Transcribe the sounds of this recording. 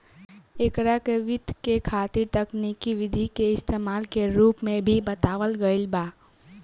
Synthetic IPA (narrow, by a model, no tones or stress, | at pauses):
ekɾakeʋɪt̪kekʰaːt̪iɾt̪əknikiʋɪd̪ʱikeɪst̪emaːlkeɾuːpmẽbʱibət̪aːʋəlɡəɪlbaː